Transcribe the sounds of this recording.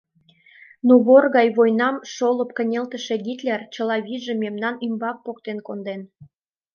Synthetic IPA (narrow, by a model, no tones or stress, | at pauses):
nuβorɣɑjβojnɑmʃolə̆p̚kə̆nʲelt̪əʃe̽ɣit̪lʲært͡ɕəlɑβiʒememnɑnymbɑk̚pok̚t̪enkond̪en